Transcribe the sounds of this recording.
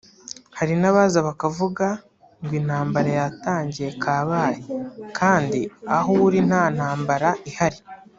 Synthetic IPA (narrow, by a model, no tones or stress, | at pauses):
haɾinaβaːzaβakavuɡa | ŋɡwiːn̥haːmbaɾajataːɲɟije̞kʰaːβaːjikʰaːndiaɦouɾin̥haːn̥aːmbaɾaihaɾi